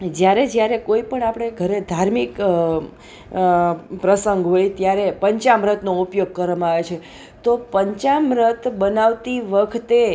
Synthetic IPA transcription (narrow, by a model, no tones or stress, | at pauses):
d͡ʒjaɾed͡ʒjaɾekoipəɳapɽ̃eɡʱəɾed̪ʱaɾmik | pɾəsəŋɡɦojt̪jaɾepəɲt͡ʃamɾət̪noupjoɡ̚kəɾʋamãaʋet͡ʃʰe | t̪opəɲt͡ʃamɾət̪bənaʋt̪iʋəkʰt̪e